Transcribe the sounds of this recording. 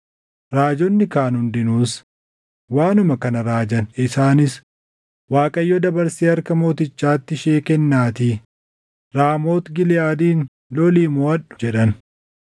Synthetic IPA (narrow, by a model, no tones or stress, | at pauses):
ɾaːd͡ʒɔnːɪkaːnhʊnd̪ɪnuːs | waːnʊmɐkɐnɐɾaːd͡ʒɐnɪsaːnɪs | waːkʼɐjːɔd̪ɐbɐɾsiːɐɾkɐmo̞ːt̪ɪt͡ʃːaːt̪ːɪʃeːkɛnːaːt̪iː | ɾaːmo̞ːt̪ɡɪlɪjaːd̪iːn | lɔliːmɔɐᶑʊ̥d͡ʒɛᶑɐn